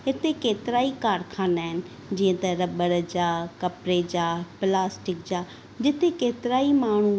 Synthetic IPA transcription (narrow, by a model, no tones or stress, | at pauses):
ɪt̪ʰekeːt̪ɪɾaːikaːɾkʰaːnaːɦɪnɪ̆ | d͡ʑĩːə̃t̪ɐɾɐbəɽd͡ʑaːkɐpɾed͡ʑaːplaːsʈɪkd͡ʑaː | d͡ʑɪt̪ʰekeːt̪ɪɾaːimaːɳ̤u